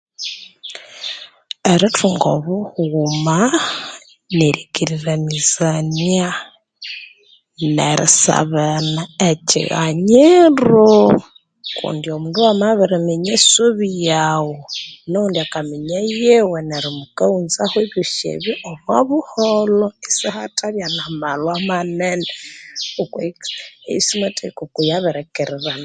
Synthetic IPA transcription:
eɾitʰuŋɡoβuhuma | neɾiɡiɾiɾamizania | nḛɾḭsa̰βanaecḭɣa̰ɲeɾo | kṵːndiomuːnduamaβiɾimeɲesuβijawonoundiakamiɲajeweneɾimukaunzaxweβuʃḛβiʔomwaβuholoisixatʼaβjanamalwamaneneukweeisimatʰekukujaβɛɾɛkeɾiɾan

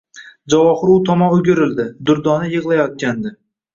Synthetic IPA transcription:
d͡ʒawɒχʊɾʊt̪ʰɒmɒmʊɡʲɪɾɪld̪ɪd̪ʊɾd̪ɒnɪjɨʁlˠajɒt̪̚kʲand̪ɪ

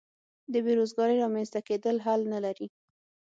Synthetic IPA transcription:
d̪əbeɾozɡɑɾəɾɑmanst̪aked̪əlɦalnalaɾi

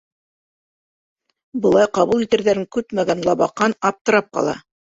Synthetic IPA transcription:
bɤ̆lˠɑjqɑβulˠit̪ɘ̆ɾðæɾɘŋkʉp̪mæɡænlˠɑβɑqːɑnɑp̚t̪ɤ̆ɾɑp̚qɑ̰lˠɑ̰

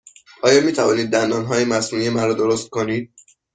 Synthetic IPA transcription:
ɒːjɒːmiːt̪ʰævɒːniːd̪̚ːænd̪ɒːnɦɒːjemæsnuːnijemæɾɔːd̪oɾost̪̚koniːd̪̥̚

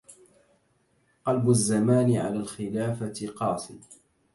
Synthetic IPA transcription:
qɑlbʊzːamaːnɪʕa̰laːlxɪlaːfaqɑːsɪ̰

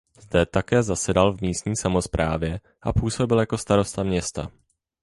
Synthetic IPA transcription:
z̥dɛt̪akɛːzasɛdalvmiːst̪ɲiːsamo̞spɾʔaːvjɛ | ʔapuːso̞bɪljako̞st̪aɾo̞st̪amɲɛst̪a̰

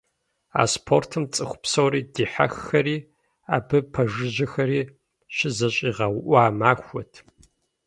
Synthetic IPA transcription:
a̰ːspʰo̰rtʰɨmt͡sʼɨxʷʊ̥psɐwɾiːdiːħa̰xːɐriː | aːbɨpʰɐʒɪʑɪxɐɾiː | ɕɪzɐɕʼiːʁɐwʔʷaːmaːxʷɔtʰ

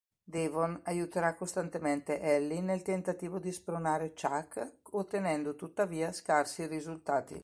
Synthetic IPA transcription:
d̪evonajut̪eɾakːost̪ant̪ement̪eʔɛlːinelt̪ent̪at̪iːvod̪ispɾonaːɾet͡ʃakːot̪ːenɛnd̪ot̪ut̪ːaviːaskarsirizult̪aːt̪ḭ

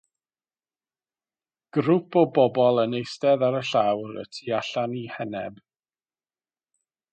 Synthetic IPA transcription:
ɡ̥ɾupʰɔbɔbɔlˠənejstɛðaɾəɬawɾə̰tʰiaɬanihɛnɛb̥

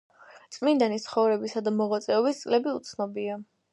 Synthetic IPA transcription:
t̪sʼmind̪anit̪sʰχɔvɾɛbisad̪amɔʁat̪sʼɛɔbist̪sʼlɛbiut̪sʰnɔbia

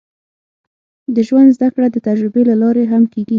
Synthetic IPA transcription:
d̪əʒwand̪zd̪akɽad̪ət̪ad͡ʒɾɪbelalɑɾeɦamkeɡi

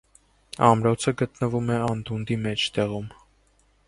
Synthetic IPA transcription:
ɑmɾɔt͡sʰəɡət̪nəvumɛɑnd̪und̪imɛt͡ʃʰt̪ɛʁum

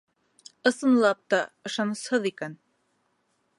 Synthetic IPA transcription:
ɤ̆sɤ̆nlˠɑp̚t̪ɑɤ̆ʃɑnɤ̆shɤðikæn

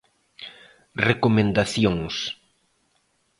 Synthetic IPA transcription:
rekomẽnd̪aθjoŋs

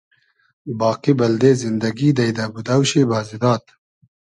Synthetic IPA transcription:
bɑːqibɐld̪eːzind̪ɐɡiːd̪ɐjd̪ɐbud̪ɐwɕibɑːzid̪ɑːt̪

